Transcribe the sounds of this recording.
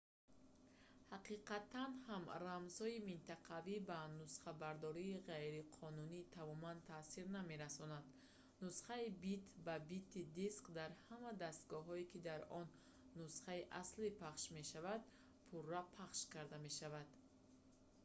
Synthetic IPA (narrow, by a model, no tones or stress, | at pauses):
haqiqat̪ʰanhamramz̥hɔimint̪aqʰavibanusχabaɾd̪ɔɾiːʁajɾiqʰɔnuniːt̪ʰamɔmant̪ʰaːsiɾname̞ɾasɔnad̪ | nusχaibit̪ʰbabit̪ʰːid̪iskd̪aɾhamad̪ast̪̚ɡɔɦɔikid̪aɾɔnː | usχaiʔaslipʰaχʃme̞ʃavad̪ | pʰurːapʰaχʃkaɾd̪ame̞ʃavad̪̥